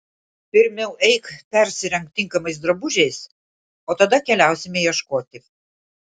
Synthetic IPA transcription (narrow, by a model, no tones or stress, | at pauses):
pʲɪɾʲmʲɛʊʔɛɪkpʲɛɾʲsʲɪɾʲɛŋk̚t̪ʲːɪŋˑkɐmɐɪsd̪ɾɐbʊʒʲɛɪs | oːt̪ɐd̪ɐkʲɛlʲæˑʊsʲɪmʲɛjɛʃkoːt̪ʲɪ